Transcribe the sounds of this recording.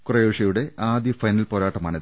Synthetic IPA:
kurɐjoːʂɐjuɽe̞ʔaːd̪jɐfɐjnɐlpoːɾaːʈːɐmaːɳɨ

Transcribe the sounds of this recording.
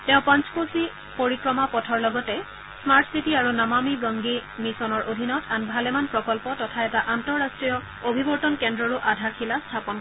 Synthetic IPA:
tɛʊ̃pãnt͡ʃkosi | poɹikɹɔmapɔtʰɔɹlɔɡɔtɛ | smaɹtʰsitiaɹunamamiɡɔŋɡimisɔnɔɹʔodʱinɔtʰanbʱalɛmanpɹɔkɔlpɔtɔtʰaɛtaʔantɔɹastɹijɔ | obʱibɔɹtɔnkɛndɹɔɹuʔadʱakʰilastʰapɔn

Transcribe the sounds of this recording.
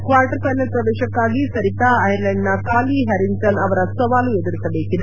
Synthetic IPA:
kʋaɾʈəɾfajnəlpɾɐʋ̪eɕɐkːaɡiːsəɾit̪aːjɾlɛɳɖnakaliːɦæɾiŋʈənɐʋɾasəʋalujed̪əɾisabekːid̪

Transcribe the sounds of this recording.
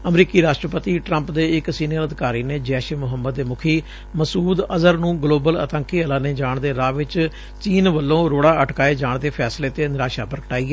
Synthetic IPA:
əmɾiːkiːɾaːʃʈɾəpət̪iːʈɾəmpd̪eːɪksiːnijələd̪ɪkaːɾiːneːd͡ʒɛːʃmʊɦəmːəd̪ːeːmʊkʰiː | məsuːd̪əzəɾnũːɡloːbələ̰t̪əŋkiːəlaːneːd͡ʒaːɳd̪eːɾaːʋɪt͡ʃ | t͡ʃiːnʋəlːõːɾoːɽaːəʈkaːeːd͡ʒaːɳd̪eːpʰɛːsleːt̪eːnɪɾaːʃaːpəɾkəʈaːiːɛ

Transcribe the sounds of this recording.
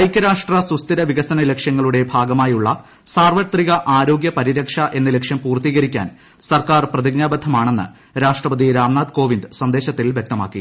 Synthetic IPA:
ɐjkʲːɐɾaːʂʈrɐsust̪iɾɐʋiɣɐsɐnɐle̞kʂjɐŋːɐɭuɽe̞bʱaːɡɐmaːjuɭːɐ̰ | saːrʋɐt̪riɣɐʔaːɾo̞ːɡjɐpɐɾiɾɐkʂɐʔe̞nːɐle̞kʂjɐmpuːrt̪iːɣɐɾikʲːa̰ːn | sɐrkaːrprɐðiɡɲaːbɐd̪ʱːɐmaːɳe̞nːɨ̰ | ɾaːʂʈrɐpɐd̪iɾaːmnaːd̪ko̞ːʋind̪ɨsɐnd̪e̞ːɕɐt̪ːilʋje̞k̚t̪ɐma̰ːkːḭ

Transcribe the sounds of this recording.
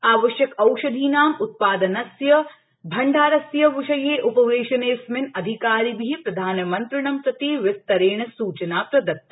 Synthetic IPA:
aːʋɐʃjɐkɐwʃɐd̪ʱiːnaːmʊt̪̚paːd̪ɐnɐsjɐ | bʱɐɳɖʱaːɾɐsjɐʋɪʃɐjeːʔʊpɐʋeːʃɐneːsmɪnɐd̪ʱikaːɾibʱiːpɾɐd̪ʱaːnɐmɐnt̪ɾɪɳɐmpɾɐt̪iʋɪst̪ɐɾeːɳ̃ɐsuːt͡ʃɐnaːppɾɐd̪ɐk̚t̪ːɐ

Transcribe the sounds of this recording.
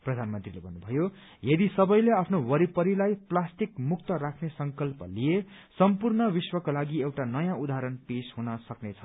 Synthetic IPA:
prʌd̪ʱanmʌnt̪rilebʱʌnːubʱʌjo | jʌd̪isʌbʌjleapʰnowʌɾipʌɾilajplasʈikmuk̚t̪ʌɾakʰnesʌŋkʌlpʌlije | sʌmpurnʌwiswʌkolaɡiewʈanʌjãud̪aɦɾʌnpesɦunʌsʌknet͡sʰʌ

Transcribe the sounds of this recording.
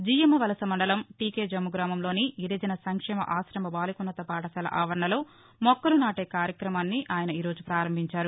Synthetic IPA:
d͡ʒiːjɐmɐʋɐlɐsɐmɐɳɖɐlɐmʈiːkeːd͡ʒɐmːuɡɾaːmɐmlo̞ːniiɾed͡ʒɐnɐsɐŋkʂɛːmɐ̰ʔaːsɾɐmɐbaːlikunːɐt̪ɐpaːʈɐkɐːlɐ̰ʔaːʋɐɾɐɳɐlo̞ː | mɔkːɐlunaːʈeːkaːɾjɐkɾɐmaːnːiʔaːjɐnɐiːɾoːd͡ʒupɾaːɾɐmbʱiɲt͡ʃaːɾu

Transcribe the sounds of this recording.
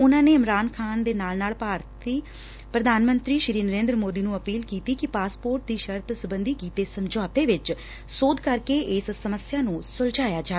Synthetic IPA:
ʊnãːneːɪmɾaːnkʰaːnd̪eːnaːlnaːlpaːɾt̪iː | pɾəd̪ʱaːnmə̃nt̪ɾiːʃɪɾiːnəɾẽːnd̪ɾəmoːd̪iːnũːəpiːlkiːt̪iːkɪpaːspoːɾʈ̚d̪iːʃəɾt̪sʊbənd̪iːkiːt̪eːsəmd͡ʒɔːt̪eːʋɪt͡ʃ | soːd̪kəɾkeːʔɪssəməsjaːnũːsʊld͡ʒaːjaːd͡ʒaː

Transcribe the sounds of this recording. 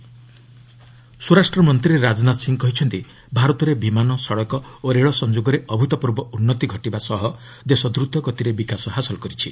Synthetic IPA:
suɾasʈɾɔmɔnt̪ɾiɾeɾad͡ʒɔnat̪siŋkɔɦit͡ʃʰɔnt̪i | bʱaɾɔt̪ɔɾebimanɔsɔɽɔkɔoɾeɭɔsɔnd͡ʒoɡɔɾeʔɔbʱut̪ɔpuɾbɔunːɔt̪iɡʱɔʈibasɔɦɔ | d̪esɔd̪ɾud̪ʱɔkɔt̪iɾebikasɔɦasɔlɔkɔɾit͡ʃʰi

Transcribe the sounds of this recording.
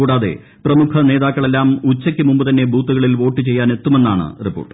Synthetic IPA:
uːɽaːðe̞̰ | prɐmukʰɐne̞ːðaːkːɐɭe̞lːaːmut͡ɕːɐkʲːɨmumbɨt̪ɐnːe̞bʱuːt̪ːuɣɐɭilʋo̞ːʈːɨt͡ɕe̞jːaːne̞t̪ːume̞nːaːɳɨ̰ripːoːʈːɨ̥

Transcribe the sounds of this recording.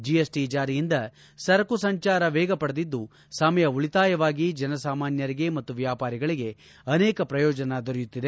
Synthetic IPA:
d͡ʒijesʈid͡ʒaːɾijind̪ɐ | sɐɾɐkusɐɲt͡ʃaːɾɐʋɛːɡɐpɐɽɐd̪id̪ːu | sɐmɐjɐuɭit̪aːjɐʋaːɡid͡ʒɐnɐsaːmaːnjɐɾiɡe̞mɐt̪ːuʋjaːpaːɾiɡɐɭiɡe̞ | ɐneːkɐpɾɐjɔːd͡ʒɐnɐd̪oɾɛjut̪ːid̪e

